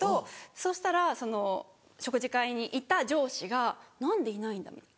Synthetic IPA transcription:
t̪o̞so̞ːɕi̥t̪aɾaso̞no̞ | ɕo̞kɯ̟ʑikaiɲ̟iʔit̪ad͡ʑo̞ːɕiɡanãnd̪e̞inaĩnd̪a̰mʲḭt̪a

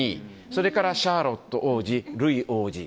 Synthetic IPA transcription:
i | so̞ɾe̞kaɾaɕaːɾo̞t̪ːo̞ʔoːd͡ʑiɾɯ̟iʔoːd͡ʑḭ

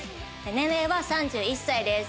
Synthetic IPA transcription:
enẽmeβasãɲd͡ʑɨːisːaid̪e̞s

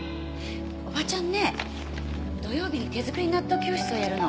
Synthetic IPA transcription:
o̞bat͡ɕãnːe̞ | d̪o̞jo̞ːbʲiɲik̪e̞zɨkɯɾʲiɲinat̪ːokʲo̞ːɕʲi̥t͡sɨojaɾɯ̟no

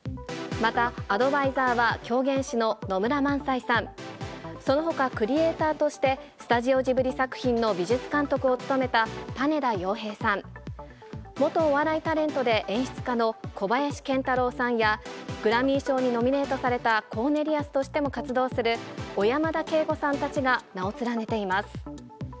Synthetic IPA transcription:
mat̪aːd̪o̞baizaːβakʲo̞ːɡẽ̞ɰ̃ɕino̞no̞mɯ̟ɾamãɰ̃saisãn | so̞no̞ɦo̞kakɯ̟ɾʲie̞ːt̪aːt̪o̞ɕi̥t̪e̞sɨ̥t̪aʑio̞ʑibɯ̟ɾʲisakɯ̟̥çĩnːo̞bʲiʑɨt͡sɨ̥kãnt̪o̞kɯ̟o̞t͡sɨ̥t̪o̞me̞t̪at̪ane̞ɾajo̞ːɦe̞ːsãɴ | mo̞t̪o̞ːβaɾait̪aɾẽ̞nt̪o̞d̪e̞ʔẽ̞ɰ̃ɕi̥t͡sɨ̥kano̞kʰo̞bajaɕi̥kẽ̞nt̪aɾo̞ːsãɰ̃jaɡ̥ɯ̟ɾamʲĩːɕo̞ːɲ̟ino̞mʲine̞ːt̪o̞saɾe̞t̪akʰo̞ːne̞ɾʲiasɨ̥t̪o̞ɕi̥t̪e̞mo̞kat͡sɨd̪o̞ːsɨɾɯ̟o̞jamad̪ake̞ːɡo̞sãnt̪at͡ɕiɡanao̞t͡sɨɾane̞t̪e̞imasɨ̥

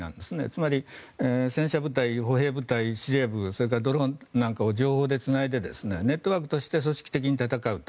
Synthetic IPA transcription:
nã̰nd̪esɨnḛt͡sɨmaɾʲiesẽ̞ɰ̃ɕabɯ̟t̪aiɦo̞ɦe̞ːbɯ̟t̪aiɕiɾe̞bɯso̞ɾek̬aɾd̪o̞ɾõnnãŋkao̞d͡ʑo̞ːho̞ːd̪e̞t͡sɨnaid̪e̞d̪e̞̰sɨne̞ne̞t̪ːo̞βaːkɯ̟t̪o̞ɕi̥t̪e̞s̬o̞ɕi̥kʲi̥t̪e̞kʲiɲ̟it̪at̪akaɯ̟t̪o

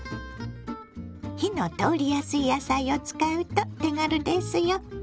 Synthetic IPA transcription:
çinot̪oːɾʲijasɨijasaio̞t͡sɨ̥kaɯ̟t̪ot̪eŋaɾɯ̟d̪esɨjo

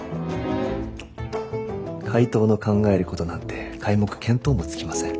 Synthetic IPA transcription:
kʰait̪o̞ːno̞kãŋɡae̞ɾɯ̟ko̞t̪o̞nãnt̪e̞kʰaimo̞kɯ̟̥kʰẽ̞mt̪o̞ːmo̞t͡sɨ̥kʲimasẽ̞ŋ

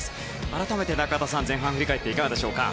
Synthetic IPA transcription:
sɨ̥ | aɾat̪ame̞t̪e̞nakaat̪as̬ãnzẽ̞ɰ̃ɦãɸɯ̟ɾʲikaet̪ːe̞ikanad̪e̞ɕo̞ːka̰

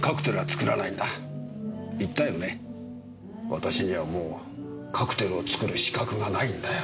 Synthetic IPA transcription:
kakɯ̟̥t̪e̞ɾɯ̟ɡat͡sɨ̥kɯ̟ɾanaĩnd̪a | it̪ːajo̞ne̞ | βa̰t̪aɕiɲiβamoː | kʰakɯ̟̥t̪e̞ɾɯo̞t͡sɨ̥kɯ̟ɾɯ̟ɕi̥kakɯ̟ɡanaĩnd̪ajo

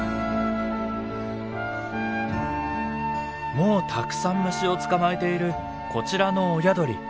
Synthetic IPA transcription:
mo̞ːt̪ʰakɯ̟̥sãmːɯ̟ɕio̞t͡sɨ̥kamae̞t̪e̞iɾɯ̟ | kʰo̞t͡ɕiɾano̞ːjad̪o̞ɾʲḭ

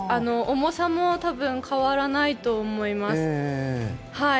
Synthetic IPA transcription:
ano̞ʔomosamot̪abɯ̟̃ŋkʰaβaɾanait̪o̞ːmo̞imasɨ̥ | ha

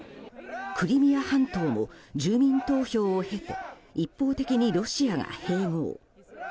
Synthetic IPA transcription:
kɯ̟ɾʲimʲijahãnt̪o̞ːmo̰d͡ʑɨːmʲĩnt̪o̞ːço̞ːhe̞t̪e̞̥̰ipːo̞ːt̪e̞kʲiɲ̟iɾo̞ɕiaɡa̰he̞ːmo̰ː

